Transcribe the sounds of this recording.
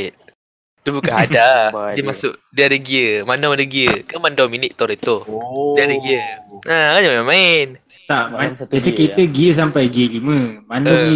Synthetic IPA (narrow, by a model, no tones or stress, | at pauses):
t̚ | dubukaadaimasʊʔdiadəɡiəmandɔmadəɡiəkamandɔminɪʔt̪ɔɾit̪uiadəɡiəəkad͡ʒamaĩmaɪn | t̪aʔmabiasəket̪əɡiəs̬ampajɡiəliməmandɔ